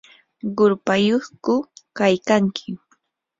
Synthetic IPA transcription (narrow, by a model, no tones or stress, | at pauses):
ɢʊɾpajoχkʊkajkaŋkʰɪ